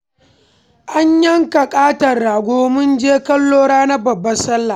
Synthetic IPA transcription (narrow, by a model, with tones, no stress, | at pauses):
ʔa˦ɲjɐ˦ŋkɐ˨kʼaː˦tɐ˨rɽaː˨ɡʷoː˦mʊ˦nd͡ʒeː˦kɐ˦lːoː˦ɽaː˦na˦bɐ˨bːɐ˦sɐ˦lːa˨